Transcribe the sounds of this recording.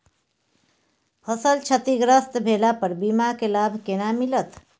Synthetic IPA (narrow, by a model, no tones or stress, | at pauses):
pʰəsəlt͡ʃʰət̪iɡɾəst̪bʱelapəɾbimakelabʱkenamilət̪